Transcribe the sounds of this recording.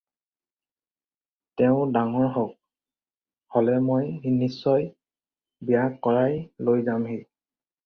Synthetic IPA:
tɛʊ̃daŋɔɹɦɔk̚ | holɛmojnisːɔj | bijakːɔɹajlojzamɦe

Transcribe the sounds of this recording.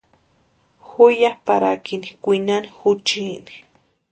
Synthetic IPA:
xujapaɾa̰kinikʷinanixut͡ʃini̥

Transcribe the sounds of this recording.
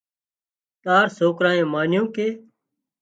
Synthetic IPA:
t̪aːɾsoːkɾãːẽːmaːnjõːkeː

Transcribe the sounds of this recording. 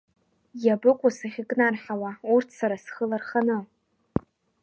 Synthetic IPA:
jabɨkʷʼʊsaχʲɪkʼnarħawaurtʰsaɾasχəlarχanɨ

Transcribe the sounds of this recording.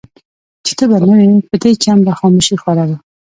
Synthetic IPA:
t͡ʃe̥t̪əbanawepəd̪et͡ʃambaxɑmoʃixwalala

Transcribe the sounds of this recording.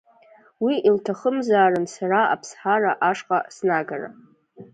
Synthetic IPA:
wiʔiltʰaχəmzaːrɨnsaraa̰pʰsħaraʔaʂqʼasnaɡara̰

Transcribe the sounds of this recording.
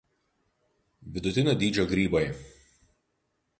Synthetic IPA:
ʋʲɪd̪ʊt̪ʲɪnʲoːd̪ʲiːd͡ʒʲoːɡɾʲiːbɐɪ

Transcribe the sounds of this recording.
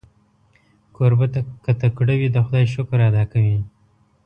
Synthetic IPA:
koɾbat̪akat̪akɽawid̪axʊd̪ɑjʃʊkɾad̪ɑkawi

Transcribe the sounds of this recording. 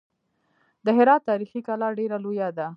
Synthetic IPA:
d̪əɦɪɾɑt̪ːɑɾixikalɑɾɖeɾalojad̪a

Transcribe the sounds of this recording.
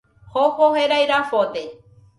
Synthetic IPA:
hohoɦeɾajɾafot̪e

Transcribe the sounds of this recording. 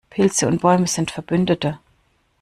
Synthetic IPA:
pʰɪlt͡səʊnt̚b̥ɔʏməz̥ɪntfɛɐb̥ʏndətə

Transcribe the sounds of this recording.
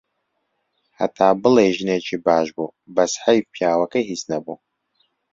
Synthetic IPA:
ha̰t̪ʰaːbɨlejʒɨneːt͡ʃʰiːbaːʒbubɐsħɐjpʰjaːwɐkɐɦisnɐbu

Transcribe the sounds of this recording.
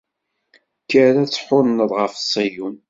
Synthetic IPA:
kːəɾæt͡sːħʊɾnəðˤʁəfsːæjun

